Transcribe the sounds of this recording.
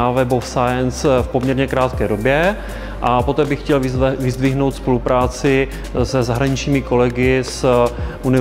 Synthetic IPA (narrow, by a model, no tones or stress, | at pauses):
avɛbofsajɛnsfpomɲɛɾɲɛkɾaːt̪kɛːdo̞bjɛ | ʔapo̞t̪ɛːbɪxxcɛlɪvɪzdvɪɦno̞wt̪spo̞lupɾaːt͡sɪ | sɛzaɦɾaɲɪt͡ʃɲiːmɪko̞lɛɡɪsʔunɪ